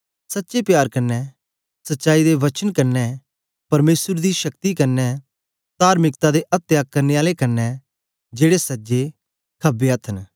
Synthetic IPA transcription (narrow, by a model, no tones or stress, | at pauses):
sɐtːʃepjaːɾkɐɾnːɛ | sɐtːʃaːid̪eʋɐt͡ʃənkɐɾnːɛ | pɐɾmeːsəɾd̪iʃɐk̚t̪ikɐɾnːɛ | t̪aːɾmɪkt̪ad̪eʔɐt̪ːjaːkːɐɾneaːlekɐɾnːɛ | d͡ʒeːɽesɐd͡ʒe | kʰɐbeɐt̪ʰən